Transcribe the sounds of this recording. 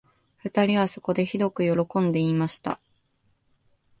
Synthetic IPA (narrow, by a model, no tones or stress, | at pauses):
ɸɯ̟t̪aɾʲiβaso̞ko̞d̪e̞çid̪o̞kɯ̟jo̞ɾo̞kõ̞nd̪e̞imaɕi̥t̪a̰